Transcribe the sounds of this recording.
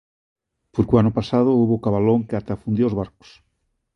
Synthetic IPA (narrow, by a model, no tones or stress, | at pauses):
poɾkuanʊpasaðʊuβokaβaloŋkeat̪afund̪joozβaɾko̥s